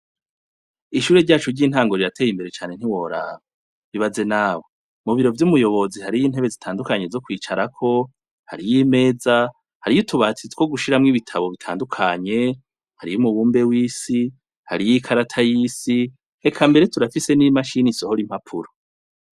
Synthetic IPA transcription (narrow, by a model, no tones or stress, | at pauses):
iʃuːɾe̞ɾɟaːt͡ʃuɾɟiːn̥haːŋɡo̞ɾiɾatʰe̞ːjimbe̞ɾe̞t͡ʃaːne̞n̥hiwo̞ːɾa̰βa | βiβaze̞naːwe | muβiɾo̞vjumujo̞βo̞zihaɾijiːn̥he̞βe̞zitʰaːndukaɲe̞zo̞kwiːt͡ʃaɾakʰo̞ | haɾijime̞ːza | haɾijitʰuβat͡sitkwo̞ɡuʃiɾamŋiβitʰaβo̞βitʰa̰ːndukʰaɲe̞ | haɾijumuβuːmbe̞wiːsi | ha̰ɾijikʰaɾatʰajiːsi | e̞kʰambe̞ɾetuɾafise̞nimaʃiniso̞hoɾim̥hapʰuɾo